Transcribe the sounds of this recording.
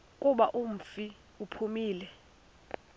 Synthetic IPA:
kʼuɓaʔum̩fi | upʰumiːlɛ

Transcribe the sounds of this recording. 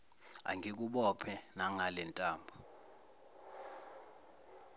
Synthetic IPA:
a̰ŋik̬uɓɔpʰɛnaŋalɛntʼaːmbʱu

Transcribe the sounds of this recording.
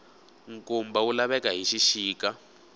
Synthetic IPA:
ŋkumbawulaβɛkaɦiʃiʃiːka

